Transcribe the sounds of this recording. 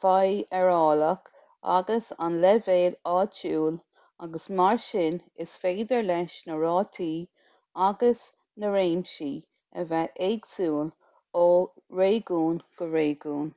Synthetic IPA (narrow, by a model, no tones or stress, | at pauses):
fajɛɹɔːlək | a̰ɡəsa̰nlɛveːlɑːt͡ʃuːl | aɡəsmaɹʃɪnɪsfeːd̪əɹlɛʃnəɹɑːt̪ʰiː | aɡəs | nəɾeːmʃiː | ə̰vɛʔeɡsuːl | oːɹeːɡuːnɡ̥əɹeːɡuːn